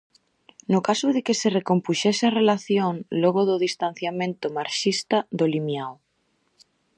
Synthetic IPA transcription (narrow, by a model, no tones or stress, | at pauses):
nʊkasʊðekeserekompuʃɛsɪarelaθjõŋloɣoðʊðist̪an̟θjamẽnt̪ʊmaɾʃist̪aðolimjaw